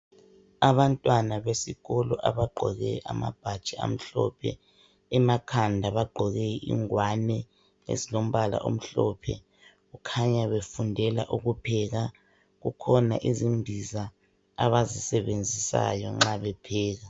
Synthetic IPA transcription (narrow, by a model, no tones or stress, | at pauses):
aβantʼwanaβesiɣɔlɔʔaβaɡ͡ǃʱɔɣɛ̰ʔa̰ma̰b̥ʱad̥t͡ʃʼia̰m̩ɬɔ̰pʰɛ̰ | ɛmakʰandʱaβaɡ͡ǃʱɔɣɛḭŋwanɛ | ḛzilom̩βala̰ʔo̰m̩ɬɔpʰɛ̰ | ɣukʰaɲaβefundʱɛla̰ʔuɣupʰɛɣa | ɣukʰɔna̰ʔizimbʱiza | aβazisɛβend͡zʱisa̰jɔ̰ŋ͡ǁaβɛpʰɛːɣa